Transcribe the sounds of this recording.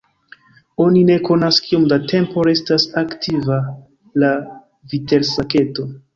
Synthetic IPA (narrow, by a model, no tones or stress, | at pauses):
o̞nine̞ko̞naskio̞mdate̞mpo̞ɾe̞stasaktʰiva | la | vite̞lsake̞to̞